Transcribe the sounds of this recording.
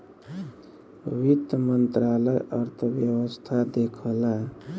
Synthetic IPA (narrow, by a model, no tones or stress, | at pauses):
wit̪mənt̪ɾaləjəɾt̪ʰəʋjəwəst̪ʰad̪ekʰəla